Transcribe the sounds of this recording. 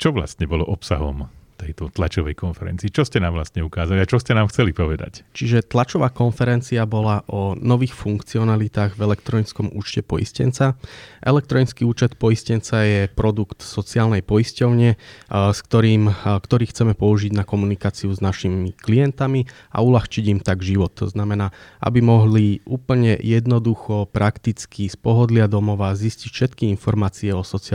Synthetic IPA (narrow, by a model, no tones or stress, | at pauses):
t͡ʃɔʋla̰st̪ɲɛbɔlɔʔɔpsa̰ɦɔ̰mt̪ɛjt̪ɔt̪lat͡ʃɔʋɛjkɔnfɛɾɛ̰nt͡siːt͡ʃɔscɛnaːmʋlast̪ɲɛukaːzaliat͡ʃɔscɛnaːmxt͡sɛlipɔʋɛd̪a̰ct͡ʃiʒɛt̪lat͡ʃɔʋaːkɔnfɛɾɛnt͡siabɔlaʔɔnɔʋiːxfuŋkt͡siɔnalit̪aːɣvɛlɛkt̪ɾɔɲit͡skɔmṵːt͡ʃcɛpɔjḭscɛ̰nt͡saʔɛlɛk̚t̪ɾɔɲit͡skiːuːt͡ʃɛt̪pɔiscɛnt͡sajɛpɾɔd̪ukt̪sɔt͡siaːlnɛjpɔiscɔʊɲɪɛskt̪ɔɾiːmkt̪ɔɾiːxt͡sɛmɛpɔuʒiɟnakɔmunikaːt͡siuznaʃimiklijɛnt̪ami | a̰ulaxt͡ʃiɟimt̪aɡʒiʋɔt̪ʰːɔ̰znamɛnaːa̰bimɔɦliʔuːpl̩ɲɛjɛd̪nɔd̪uxɔpɾʔakt̪it͡skʰispɔɦɔd̪lɪad̪ɔmɔʋaːziscicfʃɛt̪kiinfɔɾmaːt͡siɛɔsɔt͡si